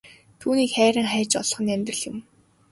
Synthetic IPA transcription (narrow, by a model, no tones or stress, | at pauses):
t̪ʰuːniːkχæːɾʲə̆ŋχæːt͡ɕɔ̰ɮ̆χɞ̆næmʲt̪rə̆ɮjɪ̆m